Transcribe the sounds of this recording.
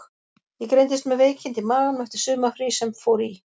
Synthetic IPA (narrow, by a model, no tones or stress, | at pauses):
jɛɣkɾejnt̪ɪst̪mɛðveːjcʰɪnt̪ɪmaːlanœht̪ɪɾ̥sʏːmafɾisɛmfowɾi